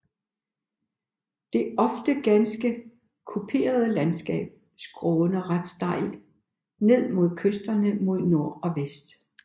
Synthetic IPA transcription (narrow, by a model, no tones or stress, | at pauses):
d̥e̝ɒ̽fd̥əɡ̥ænsɡ̥ə | kʰupʰe̝̰ːɐð̞ˠəlænsɡ̥ɛ̰ːb̥̚ | sɡ̥ʁɔːnəʁad̥sd̥ɑ̈ɪ̰l̥ | ne̝ð̞̰ˠmo̝ð̞̰ˠkʰøsd̥ɐnəmo̝ð̞̰ˠno̝ɐ̰ɒ̽ʋesd̥